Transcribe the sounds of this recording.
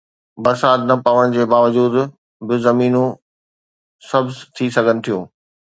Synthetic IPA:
bɐɾsaːt̪nɐpɐʋəɽ̃d͡ʑeːbaːʋəd͡ʑuːd̪ | bɪzɐmiːnõ | sɐbzt̪ʰisɐɡʱənɪ̆t̪ʰijũː

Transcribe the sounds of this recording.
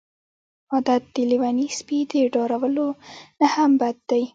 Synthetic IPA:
ɑd̪at̪̚d̪əliwanispid̪əɖɑɾawəlonahambad̪̚ːaj

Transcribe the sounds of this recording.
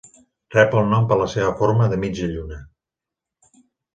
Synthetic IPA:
rɛpəlˠnɔmpələseβ̞əfoɾməðəmid͡ʒəʎunə

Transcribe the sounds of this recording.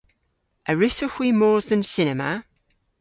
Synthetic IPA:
əɹɪsəxwimɔːzə̃nsɪnɛmə

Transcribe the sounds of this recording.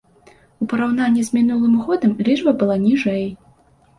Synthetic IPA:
upɐɾawn̪anʲːizʲmʲin̪ulˠɨmɣɔd̪ɐmlʲit͡ʂbɐbɨlˠanʲiʐɛj

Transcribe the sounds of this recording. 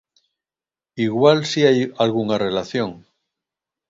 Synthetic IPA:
iɣwalsiajalɣuŋare̞laθjo̞ŋ

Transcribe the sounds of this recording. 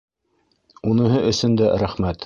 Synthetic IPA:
unɤ̆ɦɤʔɵ̆sɵ̆nd̪æɾæχmæt̪

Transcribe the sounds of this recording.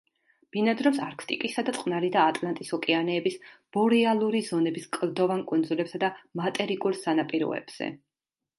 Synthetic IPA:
b̥inad̪ɾɔmsaɾkʰt̪ʼikʼisad̪at̪sʼqʼnaɾid̪aːt̪ʼlˠant̪ʼisɔkʼɛanɛːbisb̥ɔɾialˠuɾizɔnɛbiskʼld̪ɔvankʼund̪zulɛpsad̪amat̪ʼɛɾikʼuɾsanapʼiɾɔ̰ɛ̰b̥z̥ɛ̰

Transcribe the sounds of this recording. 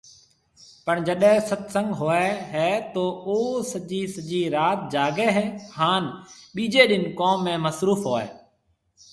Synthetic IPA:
pəɳd͡ʒəɗɦɛ̃sət̪sə̃ŋɡɦoːeːɦɛːt̪oːoːsəʄiːsəd͡ʒiːɾaːt̪̚d͡ʒaːɡeːɦɛːhaːnɓiːd͡ʒeːɗɪnkoːmːẽːməsɾuːfɦoːḛː

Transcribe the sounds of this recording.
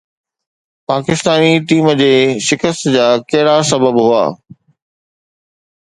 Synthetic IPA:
paːkɪst̪aːniʈiːməd͡ʑeːʃɪkəst̪d͡ʑaːkɐɦɪɽasɐbəbɦua̰ː

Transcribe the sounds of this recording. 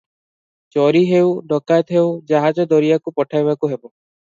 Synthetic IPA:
t͡ʃɔɾiɦewɖɔkajt̪ɦewd͡ʒaɦad͡ʒɔd̪ɔɾijakupɔʈʰajβakuɦebɔ

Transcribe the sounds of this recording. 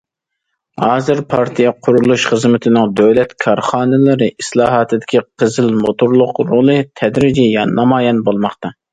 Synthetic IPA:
hɑːzɨɾpʰɑɾt̪ʰijɑqʰʊɾulˠuʃχəzmɪt̪ʰɪnɪŋd̪øwlɛt̪kʰɑɾχɑːnɨlɨɾɨʔislˠɑːɦɑːt̪ʰɨd̪ɪkʲiqʰəzɨlmot̪ʰʊɾlˠʊqɾolˠɨt̪ʰɛd̪ɾɪd͡ʒijɑnɑmɑːjɛnbolˠmɑχt̪ɑ

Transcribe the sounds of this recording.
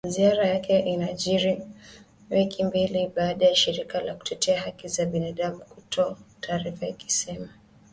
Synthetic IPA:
ziaɾajakʰɛʔinaʄiɾi | wikʰimbiliɓaːɗajaʃiɾikalaku̥tʰɛtʰɛaɦakizaɓinaɗamukutʰɔtʰaːɾifaiki̥sɛma

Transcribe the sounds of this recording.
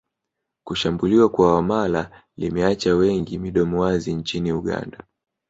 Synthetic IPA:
kuʃambuliwakwawamala | limɛat͡ʃawɛŋɡimiɗɔmuwaziɲt͡ʃiniuɠa̰nda

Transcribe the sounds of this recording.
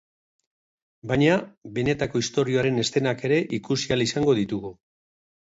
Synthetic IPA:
bajɲaβe̞ne̞t̪ako̞ist̪o̞ɾio̞aɾe̞ne̞st̪e̞nake̞ɾe̞ʔikusialisaŋɡo̞ðit̪uɣu

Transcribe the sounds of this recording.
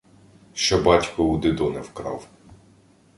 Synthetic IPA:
ʃt͡ʃɔbɑtʲkʊʊd̪ɪd̪ɔnɛwkɾɑ̰w

